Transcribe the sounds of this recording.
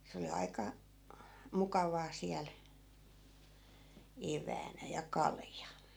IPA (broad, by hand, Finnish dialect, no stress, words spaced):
se oli ɑi̯kɑ mukɑʋɑː siæl eʋˑæːnæ jɑ kɑljɑ